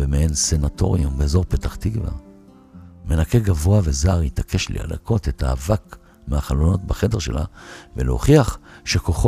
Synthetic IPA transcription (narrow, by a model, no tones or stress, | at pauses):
vemeensenato̞̰ʁiumbeːzo̞ʁpetaχtiɡva̰ | me̞nake̞ɡavo̞avezaʁjitakʰe̞ʃlḭa̰lakʰo̞tetaːvak | meaχalono̞tbaχede̞ʁʃe̞̰la̰vḛleo̰χiaχʃekoχo